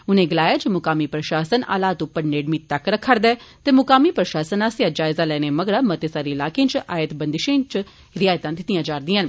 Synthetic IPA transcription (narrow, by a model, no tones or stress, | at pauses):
ʊnẽːɡəlaːjaːd͡ʒəmʊkaːmiːpɾəʃaːsəna̰ːlaːt̪ʊpːəɾneːɖmit̪ɐkɾəkʰːəɾd̪ɛːt̪eːmʊkaːmiːpɾəʃaːsənaːsjaːd͡ʒaːɪzaːlɛːneːməɡɾaːmət̪eːsaːɾiːlaːkẽːt͡ʃʔaːjət̪bənd̪ɪʃẽːt͡ʃ | ɾɪaːjt̪ãːd̪ɪt̪ijãːd͡ʒaːɾd̪iːɦən